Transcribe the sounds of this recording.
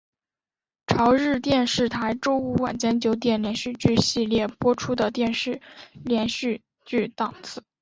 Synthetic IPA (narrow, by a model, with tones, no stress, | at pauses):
ʈ͡ʂʰɑ˧˥ʊɻɻ̩˥˧t̪jɛ˥˧nʂɻ̩˥˩t̪ʰa˧˥ɪʈ͡ʂo˥ʊu˥˩wa̰˨˩nt͡ɕjɛ˥nt͡ɕjo˧˥ʊt̪̬jɛ˨˩nljɛ˧˥nɕy˥˧t͡ɕy˥˧ɕi˥˧ljɛ˥˩pwɔ˥ʈ͡ʂʰu˥d̪ə˨t̪jɛ˥˧nʂɻ̩˥˩ljɛ˧˥nɕy˥˧ | t͡ɕy˥˩t̪ɑ˨˩ŋt͡sʰɹ̩˥˩˦